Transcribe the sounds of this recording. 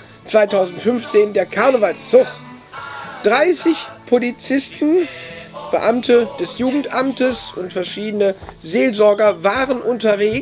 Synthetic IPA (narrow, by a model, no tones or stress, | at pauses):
t͡sv̥aɪtʰaʊzn̩tfʏnft͡seːndeːɐkʰaɐnəvalst͡sʊχ | d̥ʁaɪsɪçpʰolit͡sɪstn̩ | b̥əʔamtʰəd̥ɛsjuːɡŋ̩tʔamtəsʊntfɛɐʃiːdənəzeːlzɔɐɡɐvaːʁənʔʊntɐveː